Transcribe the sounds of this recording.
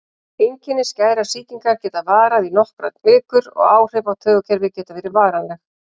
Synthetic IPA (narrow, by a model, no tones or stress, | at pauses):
ejɲcɪnːɪscaːjɾasiːc̪iŋkaɾcɛːt̪avaːɾaðinɔhkɾat̪mɪːkʏɾɔ̰ɣaːwr̥eːpawt̪ʰœːɣʏcʰɛɾvɪcɛːt̪aveːɾɪɾvaːɾanlɛx